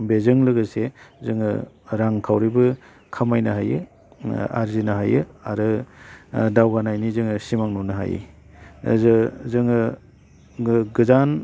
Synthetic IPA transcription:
bezɯŋlɯɡɯsezɯŋɯ | ɾaŋkʰawɾibɯ | kʰamajnaɦajɯ | a̰ɾzinaɦajɯa̰ɾɯ | dawɡanajnizɯŋɯsimaŋnunɯɦa̰jɯ̰ | zɯzɯŋɯ | ɡɯzan

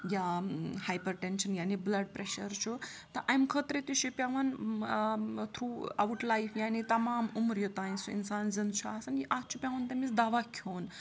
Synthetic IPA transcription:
jahajpəɾʈenɕənjaniblɐɖ̚pɾeɕəɾt͡ʃʰut̪ɐʔajmkʰət̪ɾet̪uɕupʲaʋɐn | t̪ʰɾuːawʈlajfjanit̪ɐmaːmumɾjot̪aj̃nsuḭnsand͡zənt͡ʃʰuasɐnjiʔat͡ʃʰupʲjaʋənt̪emit͡sd̪aʋakʰoːn

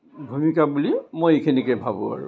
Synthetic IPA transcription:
bʱumikabulimojekʰinikɛbʱabua̰ɹṵ̃

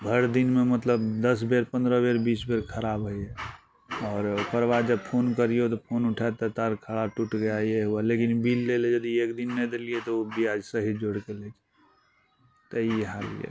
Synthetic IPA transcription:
bʱəɽd̪inmemət̪ləbd̪əsbeɾpə̃nd̪ɾəbeɾbiːsbeɾkʰəɾaːbɦəie | ɔːɾpəɾʋad͡ʒəb̚pʰoːnkəɾiot̪opʰoːnʊʈʰat̪et̪əɾkʰəɽaʈuʈɡəjaijeɦualekinbilːeled͡ʒəd̪iekd̪inːed̪eliet̪oobʱiad͡ʒsəɦid͡ʒoɽkeleki | t̪əieɦalḭḛ

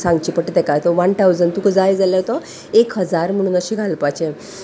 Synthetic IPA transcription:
sãŋɡt͡ɕiːpəʈt̪ekat̪ɔʋaɳʈʰawd͡zənt̪ukəd͡zajed͡zaljaot̪ɔ | ekɦəd͡zaɾm̤əɽ̃uːnəɕiɡʱalpat͡ɕe

